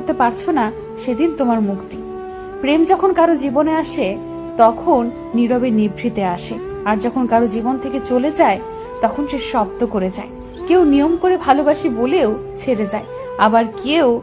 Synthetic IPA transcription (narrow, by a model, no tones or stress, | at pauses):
ɾt̪epaɾt͡ɕʰona | ʃed̪int̪omaɾmukt̪i | pɾemd͡ʑɔkʰonkaɾod͡ʑiboneaʃe | t̪ɔkʰonːiɾobenibʱɾit̪eaʃe | aɾd͡ʑɔkʰonkaɾod͡ʑibont̪ʰeket͡ɕoled͡ʑae | t̪ɔkʰonʃeʃɔb̚d̪okoɾed͡ʑa̰e | kewnijomkoɾebʱalobaʃiboleot͡ɕʰeɾed͡ʑae | abaɾkew